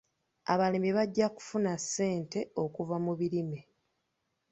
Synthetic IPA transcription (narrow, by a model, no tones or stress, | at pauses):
a̰βalimiβaɟːaku̥funasːe̞ːnte̞o̞kuvamuβiɾime